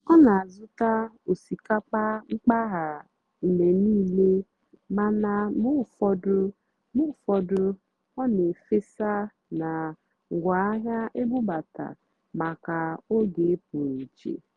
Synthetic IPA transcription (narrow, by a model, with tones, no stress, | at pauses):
ɔ˦na˨a˨zʊ˦ta˦ | o˨si˨ka˦k͡pa˦ŋ͡m̩˦k͡pa˦ɦa˨ | me˨niː˦le˦ | ma˦na˦mʊ˦˨fɔ˦dʊ˦ | mu˦fɔ˦dʊ˦ | ɔ˦ne˨fe˦sa˦ | na˨ | ŋ̩˨ɡʷa˨a˦ɦja˦ʔe˦bʊ˦ba˨ta̰˨ | ma˨ka˨o˦ɡe˨˦p̚ʊ˨ɾi˨t͡ʃḛ˨